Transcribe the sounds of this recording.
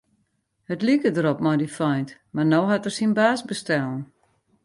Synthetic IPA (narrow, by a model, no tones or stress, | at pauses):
hətlikədəɾɔpmɔjdifɔjntmarnowɦatərsinbaːsbəstɛlˠn